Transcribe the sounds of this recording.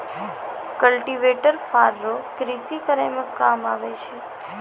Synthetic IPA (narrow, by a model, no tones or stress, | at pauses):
kəlʈiʋeʈəɾfaɾːokɾisikəɾemə̃kːamaʋet͡ʃʰe